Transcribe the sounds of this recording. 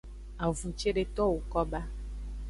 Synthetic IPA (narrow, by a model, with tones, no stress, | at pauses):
a˨vu˨t͡ʃe˦ɖe˦t̪ɔ˦wo˨kɔ˦ba˦